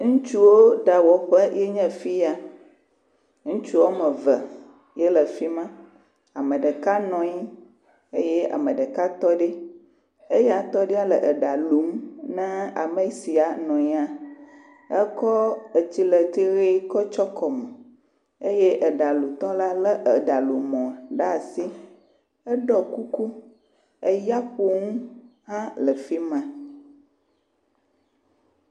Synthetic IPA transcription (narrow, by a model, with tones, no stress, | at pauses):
ŋũ˦t͡ʃu˦wo˦ɖa˨wɔ˨ɸə˦jɛ˦ɲɛ̃˦fi˦ja˦ | ŋũ˦t͡ʃu˦wo˦mə̃˨və˨ | jɛ˦lə˨fi˦mã˦ | a˨mə̃˨ɖə˨ka˦nɔ̃˨ɲi˦ | e˦jɛ˦a̰˨mə̃˨ɖə˨ka˦t̪ɔ˦ɖe˦ | e˦ja˨t̪ɔ˦ɖi˦a˦lə˨ʔə˨ɖa˨lu˨˦mnɛ̃˦a̰˨me˦si˨a˨nɔ̃˨ɲi˦a˨ | ə˦kɔ˦ə˨t͡ɕi˦lə˨t̪i˦ɣe˦kɔ˦t͡ʃɔ˦kɔ˨me˨ | e˦jɛ˦ʔə˨ɖa˨lu˨t̪ɔ˦la˦lə˦ʔə˨ɖa˨lu˨mɔ̃˨ɖa˦˨si˦ | ə˦ɖɔ˦ku˦ku˦ | ə˦ja˦ɸo˦ŋũ˦ɦã˦lə˨fi˦mã˦